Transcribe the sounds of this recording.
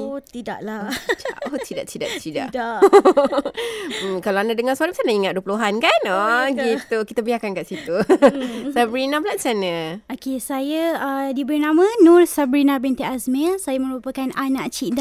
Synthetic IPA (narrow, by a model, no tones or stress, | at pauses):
ot̪ida̰ʔlat͡ʃa̰ʔot̪idaʔt͡ʃidaʔt͡ʃida̰ʔda | kaloanadəŋãsalabsanaiŋat̪̚duəpuluɦankanoɡit̪ukit̪abiahkankaʔsit̪u | sabɾinabəlatsanəokesajəədibəɾinãmə̃nũrsabɾinãbɛnt̪iʔasmɛlsajamə̃ɾupəkananãʔt͡ʃida